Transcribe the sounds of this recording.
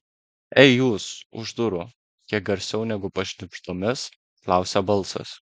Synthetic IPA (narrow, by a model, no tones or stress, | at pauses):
ɛɪjuːsʊ̰ʒd̪ʊɾʊ | k̪ʲiɛk̚ɡɐɾʲsʲɛʊnʲɛɡʊpɐʃʲnʲɪpʃt̪oːmʲɪs | klˠɑˑʊsʲɛbɐlˠˑsɐ̰s